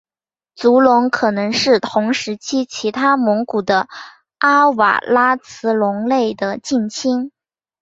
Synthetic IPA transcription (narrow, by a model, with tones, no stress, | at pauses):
t͡su˧˥lʊ˧˥ŋkʰɤ˨˩nɤ˧˥ŋʂɻ̩˥˩t̪ʰʊ˧˥ŋʂɻ̩˧˥t͡ɕʰi˥t͡ɕʰi˧˥t̪ʰa˥mɤ˧˥ŋku˨˩d̪ə˦ | ʔa˥wa̰˨˩la˥t͡sʰɹ̩˧˥lʊ˧˥ŋle˥˩ɪd̪ə˩t͡ɕi˥˩nt͡ɕʰi˥ŋ